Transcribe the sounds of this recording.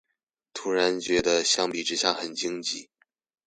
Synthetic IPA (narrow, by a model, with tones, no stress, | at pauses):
t̪ʰu˥ɻa˧˥nt͡ɕɥɛ˧˥d̪ə˧ɕjɑ˥ŋpi˨˩ʈ͡ʂɻ̩˧˥ɕjɑ˥˩xə˨˩nt͡ɕi˥ŋt͡ɕi˥˩˦